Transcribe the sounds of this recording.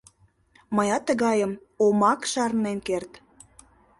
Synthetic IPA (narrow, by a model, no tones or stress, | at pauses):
məjɑt̪ːəɣɑjəm | omɑkʃɑrnenkert̪